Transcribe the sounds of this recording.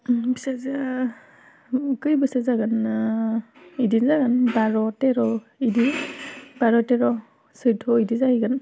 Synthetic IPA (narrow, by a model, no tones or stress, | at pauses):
bisaza | kɯjbɯsazaɡan | idinzaɡanbaɹɔtɛɾɔ | idi | baɹɔtɛɾɔ | sɯtʰɔidizaiɡan